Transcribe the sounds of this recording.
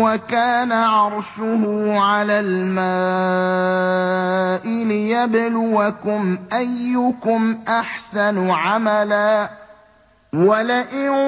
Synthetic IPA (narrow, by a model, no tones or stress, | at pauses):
wakaːnaʕɑɾˤʃʊhʊʕalaːlmaː | ʔɪlɪjablʊwakʊmʔajːʊkʊmʔaħsanʕamalaː | walaʔɪ